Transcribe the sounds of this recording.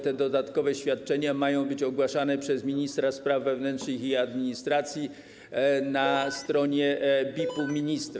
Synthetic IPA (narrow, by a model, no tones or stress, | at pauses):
t̪ɛd̪ɔd̪at̪kɔvɛɕfʲjat̪̚t͡ʂɛɲamajɔ̃w̃bɘt͡ɕɔɡwaʂanɛpʂɛzmʲiɲist̪ɾaspɾavːɛvnɛnt̪ʂnɘxiad̪mʲiɲist̪ɾat̪sʲji | nast̪ɾɔɲɛbʲipumʲiɲist̪ɾ